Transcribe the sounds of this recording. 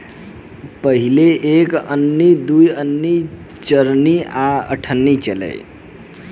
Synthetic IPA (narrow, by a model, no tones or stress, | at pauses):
pəɦileekənːid̪ujənːi | t͡ʃəɾniaə̰ʈʰənːit͡ʃəlɛ̰j